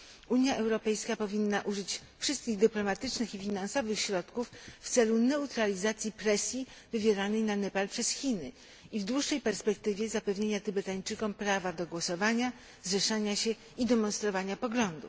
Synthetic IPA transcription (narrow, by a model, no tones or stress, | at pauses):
uɲjaʔɛwɾɔpɛjskapɔvʲinːaʔuʐɘt͡ɕfʂɘst̪̚kʲiɣd̪ɘplɔmat̪ɘt͡ʂnɘxifʲinansɔvɘxɕɾɔt̪kufːt̪sɛlunɛut̪ɾalʲizat̪sʲjipɾɛsʲjivɘvʲjeɾanɛjnanɛpalpʂɛsxʲinɘ | ivd̪wuʂːɛjpɛɾspɛk̚t̪ɘvʲjɛzapɛvɲeɲat̪ɘbɛt̪aɲt͡ʂɘkɔmpɾavad̪ɔɡwɔsɔvaɲa | zɛʂaɲaɕɛ | id̪ɛmɔnst̪ɾɔvaɲapɔɡlɔnd̪ṵ